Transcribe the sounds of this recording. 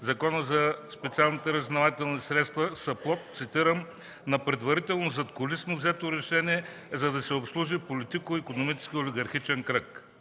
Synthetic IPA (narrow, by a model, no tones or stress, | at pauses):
zɐkɔnəzɐspɛt̪sialˠnit̪ɛɾɐznɐvat̪ɛlˠnisɾɛt̪st̪vɐsɐplˠɔt̪t̪sit̪iɾəm | nɐpɾɛd̪vɐɾit̪ɛlˠnozɐt̪kʊlisnovzɛt̪oɾɛʃɛniɛ | zɐd̪ɐsɛopslˠuʒipolit̪ikoikonomit͡ʃɛ̥skʲioliɡɐɾxit͡ʃɛnkɾək